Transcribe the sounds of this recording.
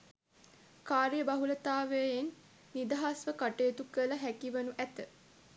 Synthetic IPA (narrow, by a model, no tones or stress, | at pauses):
kaːɾijəbaɦulət̪aːʋejəjenː | id̪aɦasʋəkaʈeːt̪ukələɦækiʋənuʔæt̪ə